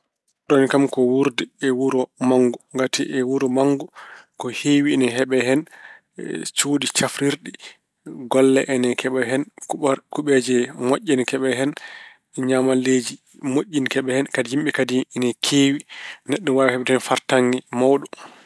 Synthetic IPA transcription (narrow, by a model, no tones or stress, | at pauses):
ɗɔnkamkɔwuɾdiɛwuɾɔmaŋɡuŋɡatiʔɛwuɾɔmaŋɡɔkɔheːwinɛɦɛɓɛɦɛn | t͡ʃoːdit͡ʃafɾiɾɗi | ɡɔlːɛʔɛnɛkʰɛɓɛɦɛnkkuɓɛd͡ʒɛmoʔʲːinkɛɓɛɦɛn | ɲamaled͡ʒi | moʔʲːinkɛɓɛhɛnkadijimɓɛkadinɛkʰeːwinɛɗːɔwawɛhɛɓɛtɛnfaɾtaŋɡimawɗɔ